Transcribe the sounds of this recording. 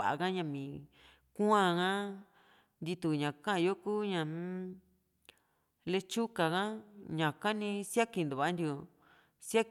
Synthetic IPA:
a˨ʔa̰˧˨kã˦ɲã˧mĩ˨ | ku˦ã˧kã˦ | nd̪i˧t̪u˧˨ɲã˨kã˦ʔa˧jo˦ku˦ɲã˧˨˦ | le˧t͡ʃu˦ka˨kã˦ɲã˨ka˦nĩ˧sja˦ki˧nd̪u˨βa˨˦nd̪jo˧ | sa˦k

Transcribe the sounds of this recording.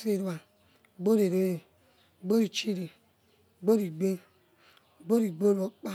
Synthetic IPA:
e˨ɾu˨˦a˨ | ɡ͡bo˦ɾe˨ɾo˦je˨ | ɡ͡bo˦ɾi˨t͡ʃi˦ɾi˨ | ɡ͡bo˦ɾi˨ɡ͡be˦ | ɡ͡bo˦ɾi˨ɡ͡bo˦ɾo˨˦k͡pa˦

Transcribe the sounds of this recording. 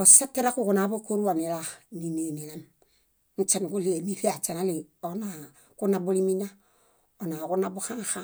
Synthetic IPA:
o˨sa˦te˦ɾa˦ku˦ku˨na˨˦bo˦ko˦ɾu˦wa˨ni˨ɾa˨ni˨ne˨ni˨na˦m | nu˦t͡ʃa˦ŋ˨ku˦li˦e˨ni˦fi˦a˨t͡ʃa˨na˦li˨o˨na˨ | ku˦na˨bu˦li˦mi˦ɲa˦ | o˨na˨ku˦na˦bu˦xã˦xa˦

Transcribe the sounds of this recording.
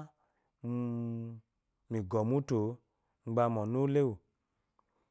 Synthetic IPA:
mi˨ɡɔ˨mu˦to˨˦ | ŋ͡m̩˦ɡ͡ba˧mɔ˨nu˦le˦wu˨

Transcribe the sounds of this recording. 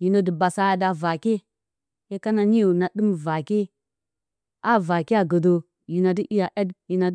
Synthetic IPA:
ji˨no˦di˨ba˨sa˦ja˨da˨va˨ke˦ | je˦ka˦na˨ni˦ju˨na˨ɗɨ˦mva˨ki˦ | a˦va˨ki˦a˨ɡə˨do˨ | ji˨na˨di˦ʔi˦ja˨ʔe˦dji˨na˨˦

